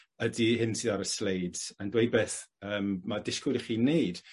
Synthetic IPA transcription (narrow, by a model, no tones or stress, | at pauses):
ədihɪnsɨðaɾəslejdz̥andwejd̚beːθəːmːadɪskʊɾiχiːnejd̥